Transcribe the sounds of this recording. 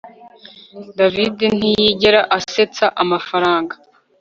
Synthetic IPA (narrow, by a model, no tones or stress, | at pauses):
daviden̥ijiɟeɾaʔase̞t͡saʔamafaɾaːŋɡḁ